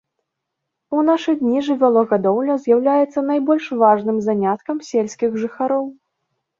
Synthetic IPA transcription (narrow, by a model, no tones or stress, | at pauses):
unaʂɨd̪ʲnʲiʐɨvʲalˠɔɣad̪ɔwlʲɐzʲjawlʲajɛt̪sːɐnajbɔlʲʂvaʐnɨmzanʲat̪̚kɐmsʲelʲsʲkʲiɣʐɨxaɾɔw